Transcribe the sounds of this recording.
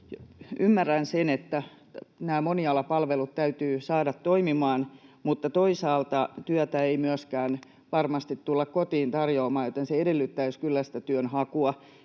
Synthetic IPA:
jymːærːænsenet̪ːæ | næːmoniɑlːɑpɑlʋelut̪t̪æyt̪yːsɑːdɑt̪toimimɑːnmut̪ːɑt̪oisɑːlt̪ɑt̪yæt̪æeimyøskæːn | ʋɑrmɑst̪it̪tulːɑkkot̪iːnt̪ɑrjoːmɑːjjot̪enseedelːyt̪ːæskylːæst̪æt̪yønhɑkuɑ

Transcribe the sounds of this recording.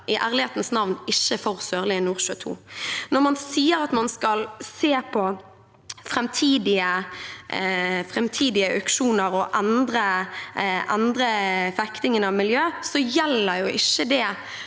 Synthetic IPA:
ʔɪʔæːʁlɪheːt̪nsnɑʋnɪçːəfɔʁsøːʁlɪːnːuːʁʃø̰ːt̪ʰṵːnɔʁmɑnsiːəɾɑt̪mɑnskɑlseːpʰɔ | fɾɛmt̪ʰiːd̪ɪə | fʁɛmt̪ʰiːd̪ɪəʔœkʃuːnəɾɔʔɛnd̪ɾə | ʔɛnd̪ɾəfɛkt̪ɪŋənɑʋmɪljøːsɔjɛlːəɾjʊʔɪçːəd̪ɛ

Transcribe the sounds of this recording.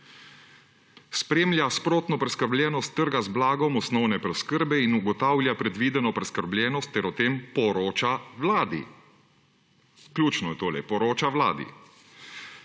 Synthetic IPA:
spɾeːmlʲjaspɾoːt̪nɔpɾɛskəɾblʲjɛːnɔst̪ːəɾɡazblaːɡɔmɔsnɔwnɛpɾɛskəɾbɛinuɡɔt̪aːwlʲjapɾɛd̪ʋiːd̪ɛnɔpɾɛskəɾbljɛːnɔst̪ːɛɾɔt̪eːmpɔɾoːt͡ʃawlaːd̪ḭ | klʲjuːt͡ʃnɔjɛt̪oːlɛ̰pɔɾoːt͡ʃawla̰ːd̪ḭ

